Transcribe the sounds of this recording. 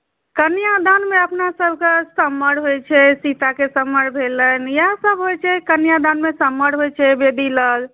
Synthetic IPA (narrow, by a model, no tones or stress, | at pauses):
kənijad̪anmeəpnasəbʱkesəmːəɽɦojt͡ʃʰɛsit̪akesəmːəɽbʱelənjasəbʱɦojt͡ʃʰɛkənjad̪anmesəmːəɽɦojt͡ʃʰɛbed̪iləɡ